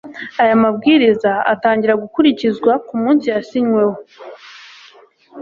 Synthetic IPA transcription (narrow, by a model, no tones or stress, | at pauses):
ajamab̚ɡiːɾizaa̰taːɲɟiɾaɡukuɾicizɡwakumuːnsijasiɲŋwe̞wo